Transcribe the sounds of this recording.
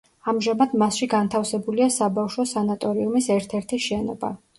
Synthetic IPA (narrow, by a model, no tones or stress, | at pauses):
amʒamad̪masʃiɡant̪ʰafsɛbuliasabafʃɔsanat̪ʼɔɾiumisɛɾt̪ʰɛɾt̪ʰiʃɛnɔ̰ba̰